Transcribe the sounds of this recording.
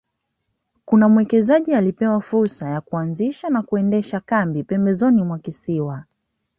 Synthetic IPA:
kunamwɛkɛzaʄialipɛwafuɾsajakuanziʃanakuɛndɛʃakambipɛmbɛzɔnimwakisiwa

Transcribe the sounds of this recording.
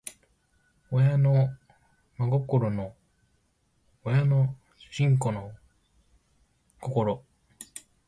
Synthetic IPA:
ojano | maɡo̞koɾono | jano | ɕĩŋko̞no | ko̞ko̞ɾo̞

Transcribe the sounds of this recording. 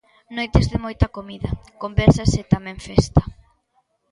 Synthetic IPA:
nojt̪ezðemojt̪ɐkomiðɐkombɛɾsaset̪amɛ̃ɱfɛst̪ḁ

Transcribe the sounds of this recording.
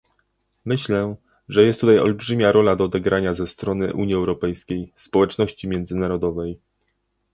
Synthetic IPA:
mɘɕlɛ | ʐɛjɛst̪ːut̪ajɔ̰lbʐɘmʲjaɾɔlad̪ɔːd̪ɛɡɾʔaɲazɛst̪ɾɔnɘʔṵɲjiɛwɾɔpɛjskʲejspɔwɛt͡ʂnɔɕt͡ɕimʲjɛnd̪zɘnaɾɔd̪ɔvɛj

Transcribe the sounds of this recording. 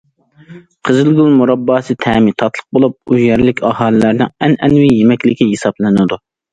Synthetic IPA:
qʰəzɨlɡʲulˠmuɾɑbːɑːsɨt̪ʰɛːmit̪ʰɑt̪ʰlˠəq̚bolˠup̚yzjɛɾlɪkʲɑhɑːlˠɨlæɾnɪŋɛnɛnwɪjemɛkʲlɪkʲiɦesɑblˠɨnɨd̪u

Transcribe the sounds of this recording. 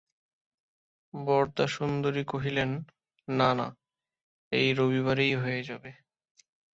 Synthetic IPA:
bɔɾt̪aʃund̪oɾikoɦilenː | ana̰ | ejɾoβiβaɾejɦoed͡ʑabe

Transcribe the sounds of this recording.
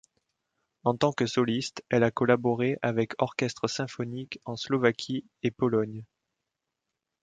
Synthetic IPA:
ɑ̃t̪ɑ̃kəsɔlist̪ɛlakɔlabɔʁeʔavɛkʰɔʁkɛst̪χəsɛ̃fɔnikɑ̃slɔvakʲʰi | epɔlɔɲ

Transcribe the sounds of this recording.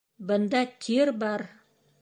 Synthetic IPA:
bənd̪ɑt̪ʲʰeɾbɑɾ

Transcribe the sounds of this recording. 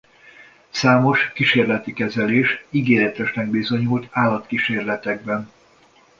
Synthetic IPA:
saːmo̞ʃkiʃeːrlɛt̪ikɛzɛleːʃiɡeːɾɛt̪ɛʃnɛɡ̚bizo̞ɲult̪aːlɒt̪kiʃeːrlɛt̪ɛɡ̚bɛn

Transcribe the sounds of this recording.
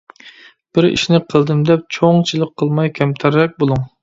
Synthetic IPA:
b̥ɪɾḭʃnɪqʰəlˠd̪ɨmd̪ɛp̚t͡ʃʰoŋt͡ʃʰilˠɨq̚qʰːəlˠmɑjkʲʰɛmt̪ʰæɾːɛk̚ʲbolˠuŋ

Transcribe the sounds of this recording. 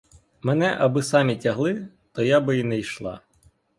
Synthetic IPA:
mɛnɛʔɐbɪsɑmʲitʲɐɦlˠɪ | t̪ɔjabɪinɛjʃlˠɑ̰

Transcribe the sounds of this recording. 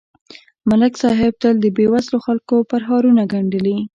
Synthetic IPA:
malɪksɑɦɪb̚d̪əld̪əbewazloxalkopaɾɦɑɾunaɡaɳɖəli

